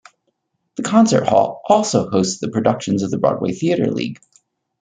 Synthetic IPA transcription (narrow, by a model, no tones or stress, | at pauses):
ðɨkʰɑ̃nsə˞t̚hɔ̰lˠʔɔlˠsoʊhoʊstsðɨpʰɹ̥ɨdʌkʃɨ̃nzʌvðəbɹɔ̰d̚wḛɪθiɨɾə̰˞lḭɡ̥